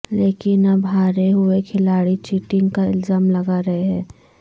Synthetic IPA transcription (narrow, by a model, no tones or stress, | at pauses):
leːkɪnɐbʱaːɾeɦʊekʰɪlaːɽit͡ʃiːʈɪ̃ŋɡkaɪlzaːmlɐɡaɾɐɦeɦɛ̃ː